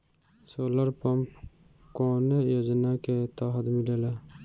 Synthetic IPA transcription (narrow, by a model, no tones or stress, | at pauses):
soːləɾpəmp | kɔːnejoːd͡ʒnaket̪aɦəd̪milela